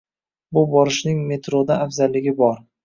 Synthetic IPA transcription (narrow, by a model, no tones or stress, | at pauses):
bʊbɒɾɪʃnɪŋme̞t̪ɾod̪aːfzalːɪɡʲɪbɒɾ